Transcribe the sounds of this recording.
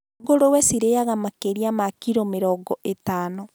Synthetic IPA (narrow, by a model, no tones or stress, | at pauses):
ɡoɾowɛsiɾejaɣamakeɾiamakiɾomeɾɔɡɔʔetaːnɔ